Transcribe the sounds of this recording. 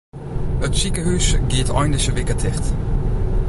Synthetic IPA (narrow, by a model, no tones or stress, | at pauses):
ətsikəɦysɡɪːtɑ̰jndəsəʋɪkətʰɪχt